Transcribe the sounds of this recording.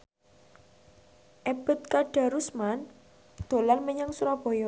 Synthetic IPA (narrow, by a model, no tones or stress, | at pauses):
ʔeb̥ə̤t̪̚kaɖ̥a̤ɾusman | d̪̥o̤lanməɲaŋsuɾab̥ɔ̤jɔ